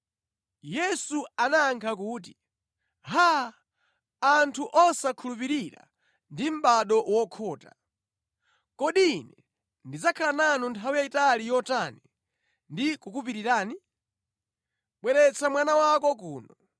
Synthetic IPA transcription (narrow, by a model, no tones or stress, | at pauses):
jɛsuanaːŋkʰak̬uːti | ɦa | antʰuʔɔsakʰulupiɾiɾa̰ | ndim̩ɓaɗɔwɔkʰɔːta̰ | kɔɗinɛ | ndid͡zakʰalananuntʰawijaitalijɔtani | ndikukup̬iɾiɾaːni | ɓwɛɾɛt͡sʰamwanawakɔkuːnɔ